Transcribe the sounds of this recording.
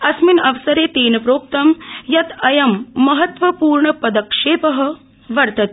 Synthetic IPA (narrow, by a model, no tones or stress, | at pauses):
ɐsminɐʋsɐɾeːt̪eːnɐpɾoːp̚t̪ɐmjɐt̪ɐjɐmːɐɦɐt̪ʋɐpuːɾɳɐpɐd̪ɐkʂeːpɐɦɐ̆ | ʋɐɾt̪ɐt̪ː